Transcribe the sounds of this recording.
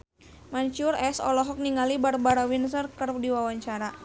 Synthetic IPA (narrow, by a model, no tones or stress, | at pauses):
maɲt͡ʃʊrɛsɔ̰lɔɦɔk̚niŋalibarbaɾawinsərkərdiwawaɲt͡ʃaɾa